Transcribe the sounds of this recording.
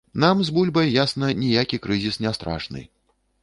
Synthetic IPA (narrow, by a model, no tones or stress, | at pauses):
namzbulʲbɐjjasnɐnʲijakʲikɾɨzʲisnʲɛst̪ɾa̰ʂnɨ̰